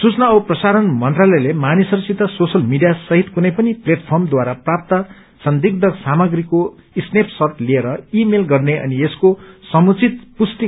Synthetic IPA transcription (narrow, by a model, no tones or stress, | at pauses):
sut͡snaprʌsaɾʌnmʌnt̪ralʌjlemanisʌrsit̪ʌsosʌlmiɖijasʌɦit̪kunʌjpʌnipleʈpʰʌrmd̪waɾaprap̚t̪ʌ | sʌnd̪iɡ̚d̪ʱʌsamʌɡɾiko | isnepʰsʌt̪lieɾʌimelɡʌrneʔʌ̰nieskosʌmut͡sit̪pust̪i